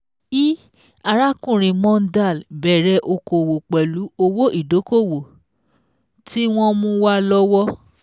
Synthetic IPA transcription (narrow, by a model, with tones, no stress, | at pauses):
i˦ | a˧ɾa˦kũ˦˨ɾ̃ĩ˨mɔ̃˦n̩˦da˦˨lbɛ˨ɾɛ˨˧ʔo˧ko˨wo˨k͡pɛ˨lu˨˦o˧wo˦ʔi˦˨do˨˦ko˦˨wo˨ | ti˦w̃ɔ̃˧mũ˧wa˦lɔ˦wɔ˦